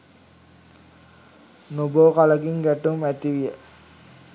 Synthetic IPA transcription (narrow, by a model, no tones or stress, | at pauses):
noboːkaləɡiŋɡæʈːumæt̪iʋijə